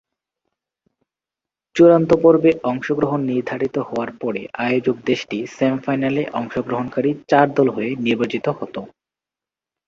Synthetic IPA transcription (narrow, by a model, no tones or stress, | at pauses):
t͡ɕuɾant̪opoɾbeʔɔŋʃoɡɾoɦonːiɾd̪ʱaɾit̪ohɔoaɾpɔɾeʔajod͡ʑok̚d̪eʃʈisemfajnaleʔɔŋʃoɡɾoɦonkaɾit͡ɕaɾd̪ɔlɦoeniɾbat͡ɕit̪ohɔt̪o